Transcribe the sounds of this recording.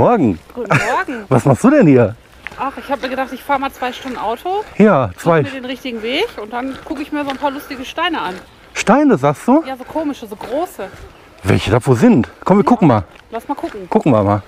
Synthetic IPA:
mɔɐɡŋ̩ːmɔɐɡŋ̩vasmaχstd̥uːdɛnhiːɐ | ʔaχɪçhabəmiːɐɡədaχtɪçfaːʁəmaːlt͡sv̥aɪʃtʊndn̩ʔaʊtʰojaːt͡svv̥aɪdeːnʁɪçtɪɡŋ̩veːçʊnt̚d̥ankʰʊkəɪçmiːɐzoːnpʰaːɐlʊstɪɡəʃtaɪnəʔan | ʃtaɪnəzaːkstd̥uːjaːzoːkʰoːmɪʃəzoːɡʁoːsə | vɛ̰lçədafoːzɪntkʰɔmviɐkʊkŋ̩ma̰ːl | lasmaːkʰʊkŋ̩kʰʊkŋ̩ma̰maː

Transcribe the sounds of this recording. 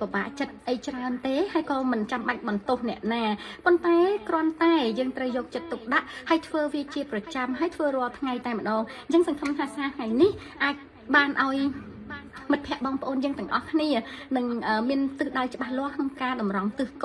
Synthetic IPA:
paɓa̰ːʔt͡ɕət̪̚ʔəjt͡ɕraənt̪eːhaəjkɑːmɨnt͡ɕamɓac̚ɓɑnt̪ohnɛ̆əʔnaːpont̪aɛkrŏənt̪aɛjəːŋt̪rəwjɔːk̚t͡ɕət̪ːuk̚ɗaʔhaəjt̪ʰʋəːʋiət͡ɕiəprɑt͡ɕamɦaəjt̪ʰʋəːrʊ̆əlt̪ʰŋajt̪aɛmə̆ɗɑːŋɲt͡ɕəŋsɑŋkʰəmt̪ʰaːsaːt̪ʰŋajnih | ʔaːc̚ | ɓaːnʔaɔj | mɨt̪̚pʰɛ̆əʔɓɑːŋpə̆ʔoːnjəːŋt̪ɨ̆əŋʔɑhkʰniənɨŋʔəːmiənt̪ɨːɗajt͡ɕə̆ɓahlŏəhkʰnoŋkaːɗɑmrɑŋt̪ɨːhk

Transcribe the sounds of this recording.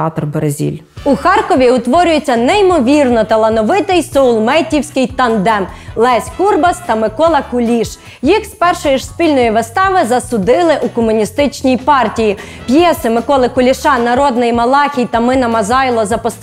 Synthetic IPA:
ɑt̪ɔrbeɾezʲḭlʲ | uxɑrkɔʋʲiʊt̪ʋɔɾʲʊjet͡sʲːɐnɛimɔʋʲirnɔt̪ɐlˠɐnɔʋɪt̪ɪjsɔʊlˠmɛtʲːiwsʲkɪjt̪ɐnd̪ɛmlˠɛsʲkurbɐst̪ɐmɪkɔlˠɐkʊlʲiʃ | jixspɛrʃɔjiʒspʲilʲnɔjiʋɪst̪ɑʋɪzɐsʊd̪ɪlˠɪʔukɔmʊnʲist̪ɪt͡ʃnʲijpɑrtʲiji | pjɛsɪmɪkɔlˠɪkʊlʲiʃɑnɐɾɔd̪nɪjmɐlˠɑxʲijt̪ɐmɪnɐmɐzɑjlˠɔzɐpɔst̪

